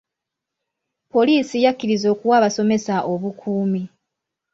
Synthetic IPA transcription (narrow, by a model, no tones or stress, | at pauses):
po̞liːsijakːiɾizo̞kuwaːβaso̞me̞saʔo̞βukʰuːmi